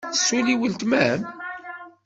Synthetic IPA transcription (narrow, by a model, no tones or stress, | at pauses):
əsuliwəlt̪mæəm